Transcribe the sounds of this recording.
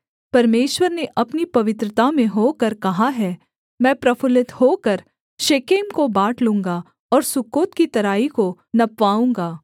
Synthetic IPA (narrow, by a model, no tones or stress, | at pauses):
pɐɾmeːʃwəɾneʔɐpnipɐʋɪt̪ɾət̪amẽɦoːkɐɾkɐɦaɦɛ | mɛ̃ːpɾɐfʰʊlɪt̪hoːkɐɾ | ʃeːkeːmkobaːʈlũːŋɡa | ɔːɾsʊkoːt̪kit̪ɐɾaːiko | nɐpʋaːũːŋɡaː